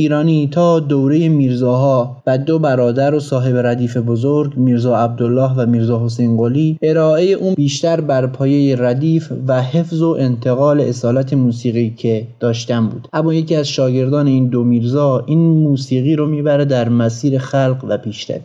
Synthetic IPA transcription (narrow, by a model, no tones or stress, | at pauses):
iːɾɒːnit̪ʰɒːd̪owɾeje̞miːɾzɒːɦɒːvæd̪obæɾɒːd̪æɾo̞sɒːɦe̞beɾæd̪iːfe̞bozoɾɡmiːɾzɒːæb̚d̪olːɒːɦvæmiːɾzɒːɦo̞sejnɡoliʔe̞ɾɒːʔe̞je̞ʔuːnbiːʃt̪æɾbæɾpʰɒːje̞jeræd̪iːfvæhefzo̞ʔe̞nt̪ʰe̞ɣɒːle̞ʔesɒːlæt̪ʰe̞muːsiːɣiːcʰe̞d̪̥ɒːʃt̪æmbṵːd̪̥ʔæmːɒːjeciːæzʃɒːɟe̞ɾd̪ɒːne̞iːnd̪omiːɾzɒːʔiːnmuːsiːɣiːɾomiːbæɾed̪æɾmæsiːɾe̞xælqvæpʰiːʃt̪æ̰ɾ